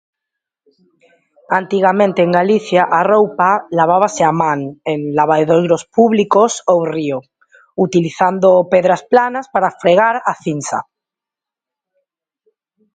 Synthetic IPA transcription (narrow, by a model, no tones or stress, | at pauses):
ant̪iɣamẽnt̪eːŋɡaliθjaʔarowpalaβ̞aβ̞aseamãŋenlaβ̞aðeðojɾospuβlikosowrio | ut̪iliθand̪opeðɾasplanaspaɾafɾeɣ̞aɾaθinsa̰